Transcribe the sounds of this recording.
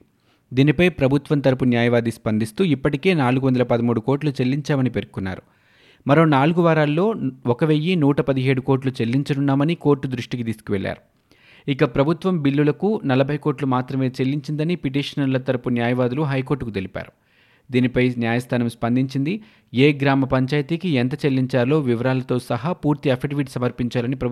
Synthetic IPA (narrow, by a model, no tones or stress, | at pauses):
d̪iːnipɐjpɾɐbʱut̪ʋɐnt̪ɐɾɐpunjaːjɐʋaːd̪ispɐnd̪ist̪uːipːɐʈike̞ːnaːluɡuʋɐnd̪ɐlɐpɐd̪ɐmuːɽuko̞ːɾʈlut͡ʃelːiɲt͡ʃaːmɐnipe̞ɾkukunːa̰ːɾu | mɐɾo̞ːnaːluɡuʋaːɾaːlːo̞ːɔkɐʋejːinuːʈɐpɐd̪iɦe̞ːɽuko̞ːɾʈlut͡ʃelːiɲt͡ʃɐnunːaːmɐniko̞ːɾʈːud̪ɾuʂʈikit̪iːsu̥kuʋɛɭːa̰ːɾu | ikɐpɾɐbʱut̪ʋɐmbilːulɐkunɐlɐbʱɐjko̞ːʈlumaːt̪ɾɐme̞ːt͡ʃelːiɲt͡ʃind̪ɐnipiʈ̬iːʂɐnɐɾlɐt̪ɐɾɐpunjaːjɐʋaːd̪uluɦɐjko̞ːɾʈːukut̪e̞lipa̰ːɾu | d̪iːnipɐjnjaːjɐst̪ʰaːnɐmspɐnd̪iɲt͡ʃind̪i | eːɡɾaːmɐpɐɲt͡ʃaːjt̪iːkient̪̬ɐt͡ʃelːiɲt͡ʃaːɾɐlo̞ːʋiʋɐɾaːlɐt̪o̞ːsɐɦaːpuːɾt̪iɐfeʈʋiʈsɐmɐɾpiɲt͡ʃaːlɐnipɾɐb